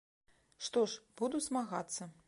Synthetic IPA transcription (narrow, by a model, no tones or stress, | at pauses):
ʂt̪ɔʂbud̪usmaɣat̪sːɐ